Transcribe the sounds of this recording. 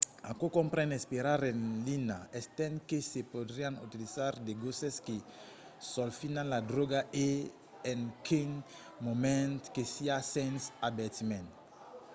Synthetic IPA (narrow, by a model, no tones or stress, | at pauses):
a̰kokõmpɾɛ̃nespeɾaɾẽnlinaɛst̪ɛ̃nkesepod̪ɾiaŋṵt̪ilizaɾd̪eɡoseske | sɔlfinãnlad̪ɾoɡaʔe | eŋkiŋ | momɛ̃nt̪kesiasɛ̃nsabɛt̪imɛ̃nt̪